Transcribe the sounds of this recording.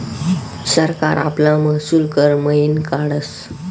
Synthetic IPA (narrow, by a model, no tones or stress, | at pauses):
səɾka̰ɾa̰plãməsulkəɾməinkaɽəs